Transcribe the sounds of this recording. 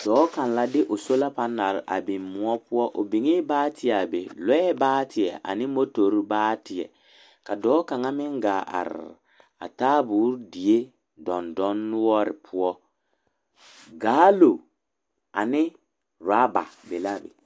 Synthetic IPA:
dɔː˨˦ka˨n˨la˦dɪ˦ʔo˨so˦la˦pa˦nːa˨ɾʔa̰˨bi˨mmu˦ɔ˦pu˦ɔ˦ʔo˨bi˨ŋi˦baː˦tʰi˦a˨bḛ˨lɛ˦ɛ˦baː˦tʰɪ˨ɛ˨ʔa̰˨nɪ˦mo˦to˨˦ɾi˦baː˦tɪ˨ɛ̰˨ | ka˨dɔː˨˦ka˨ŋa˦mɪ˦ŋɡa˨ʔa̰˨ɾ̰ | a̰˨taː˦buː˨˦ɾdi˨e˦ | dɔ˨ndɔ˦nː˦ɔ˦ɾɪ˨pʰu˦ɔ˦ | ɡaː˦lo˨ | a˨nɪ˦ | ɾa˦ba̰˨be˨la˦˨bḛ˨

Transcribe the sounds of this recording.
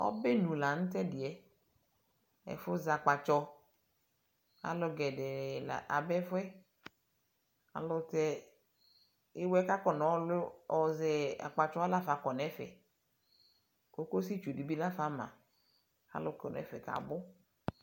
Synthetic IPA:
ɔ̰˦be˦nũ˨la˨ñ̩˦tɛ˦dɪ˨ɛ˨ | ɛ̰˨fʊ˦za˨k͡pa˨t͡ʃɔ˧ | a̰˨lʊ˨ɡɛ˨dɛ˨ɾɛ˨la̰˨ʔa˨bɛ˦fɛ˦ | a̰˨lʊ˦tɛ˦ | ɪ˦wɛ˦ka˦kɔ˨n˨˦lɔ˨zɛ˨a̰˨k͡pa˨t͡ʃɔ˦a˦la˦fa˨kɔ˨nɛ˦fɛ̰˨ | ko˦ko˦si˦t͡ʃu˨di˨bi˦la˦fa˨mã̰˨ | a̰˦lʊ˨kɔ˨nɛ̰˨˦fɛ̰˨ka̰˨bʊ˦

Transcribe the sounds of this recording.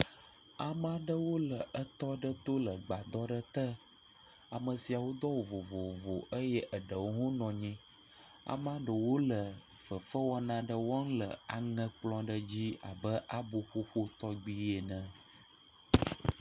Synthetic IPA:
a˨mã˦ɖə˦wo˦lə˨ʔə˦t̪ɔ˦ɖə˦t̪o˦lə˨ɡ͡ba˨d̪ɔ˦ɖə˦t̪ə˦ | a˨mə̃˨si˨a˨wo˦d̪ɔ˦wo˨vo˨vo˨vo˨ʔə˦jɛ˦ʔə˨ɖə˨wo˦ɦũ˦nɔ̃˨ɲɛ̃˦ | a̰˨mã˦ɖə˨wo˦lə˨ | fə˨fə˦wɔ˦nã˦ɖə˦wɔ˦ŋ˦lə˨a˨ŋə̃˦k͡plɔ̃˦ɖə˦d͡ʑi˦a̰˨bə˦ʔa˦bo˦ɸo˦ɸo˦t̪ɔ˦ɡ͡bi˦je˨nə̃˨

